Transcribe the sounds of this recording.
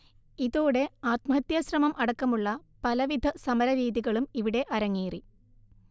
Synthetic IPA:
iðoːɽe̞aːt̪mɐɦɐt̪jɐɕrɐmɐmʔɐɽɐkːɐmuɭːɐ | pɐlɐʋid̪ʱɐsɐmɐɾɐɾiːðiɣɐɭumiʋiɽe̞ʔɐɾɐŋːiːri

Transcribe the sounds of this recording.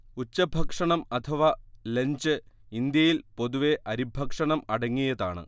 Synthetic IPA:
ut͡ɕːɐbʱɐkʂɐɳɐmɐt̪ʰɐʋɐleɲd͡ʑɨ | ind̪jɐjilpo̞ðuʋe̞ʔɐɾibʱɐkʂɐɳɐmɐɽɐŋːijɐðaːɳɨ̰

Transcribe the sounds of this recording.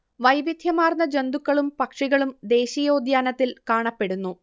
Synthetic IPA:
ʋɐjʋid̪ʱjɐmaːrnːɐd͡ʑe̞nd̪ukːɐɭumpɐkʂiɣɐɭumd̪e̞ːɕijo̞ːd̪jaːnɐt̪ːilkaːɳɐpːe̞ɽunːu

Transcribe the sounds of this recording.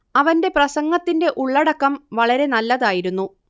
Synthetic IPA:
ɐʋɐnde̞prɐsɐŋːɐt̪ːinde̞ʔuɭːɐɽɐkːɐmʋɐɭɐɾe̞nɐlːɐðaːjiɾunːu

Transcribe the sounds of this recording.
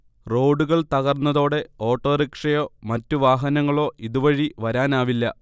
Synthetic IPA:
ro̞ːɖuɣɐɭt̪ɐɣɐrnːɐðo̞ːɽe̞o̞ːʈːo̞ːɾikʂɐjo̞ːmɐtːuʋaːɦɐnɐŋːɐɭo̞ːʔiðuʋɐɻiʋɐɾaːnaːʋilːɐ

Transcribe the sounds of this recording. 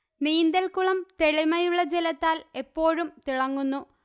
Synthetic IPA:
niːnd̪ɐlkuɭɐmt̪e̞ɻimɐjuɭːɐd͡ʑelɐt̪ːaːle̞pːo̞ːɻumt̪iɭɐŋːunːu

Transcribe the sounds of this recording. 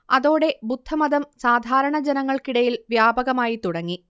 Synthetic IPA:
ɐðo̞ːɽe̞bud̪ʱːɐmɐðɐmsaːd̪ʱaːɾɐɳɐd͡ʑenɐŋːɐɭkiɽɐjilʋjaːbɐɣɐmaːjit̪uɽɐŋːi

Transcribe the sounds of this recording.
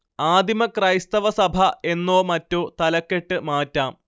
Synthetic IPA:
aːd̪ʱimɐkrɐjst̪ɐʋɐsɐbʱɐe̞nːo̞ːmɐtːoːt̪ɐlɐkːe̞ʈːɨmaːtːaːm

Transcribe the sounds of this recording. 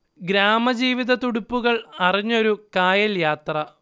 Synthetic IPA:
ɡɾaːmɐd͡ʑiːʋiðɐt̪uɽupːuɣɐɭɐriɲːo̞ɾukaːjɐljaːt̪rɐ

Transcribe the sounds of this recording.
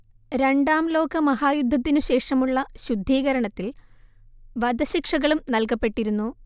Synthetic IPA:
ɾe̞ɳɖaːmlo̞ːkɐmɐɦaːjud̪ʱːɐt̪̬ːinuɕe̞ːʂɐmuɭːɐɕud̪ʱːiːɣɐɾɐɳɐt̪ːil | ʋɐd̪ɐɕikʂɐɣɐɭumnɐlkɐpːe̞ʈːiɾunːu

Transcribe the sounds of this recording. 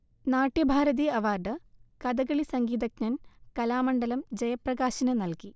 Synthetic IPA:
naːʈːjɐbʱaːɾɐðiɐʋaːrɖɨkɐd̪ɐɣɐɭisɐŋɡiːd̪ɐk̚ɲɐnkɐlaːmɐɳɖɐlɐmd͡ʑɐjɐprɐɣaːɕɐnɐnɐlki

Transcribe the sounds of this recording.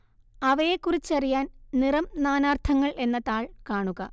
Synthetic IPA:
ɐʋɐjekːurit͡ɕːɐrijaːnnirɐmnaːnaːrt̪ʰɐŋːɐɭʔe̞nːɐt̪aːɭkaːɳuɣɐ

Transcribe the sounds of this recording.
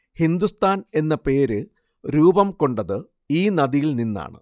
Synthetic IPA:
hind̪ust̪ʰaːne̞nːɐpe̞ːɾɨ | ɾuːbɐmko̞ɳɖɐðɨ | iːnɐðijilninːa̰ːɳɨ̰

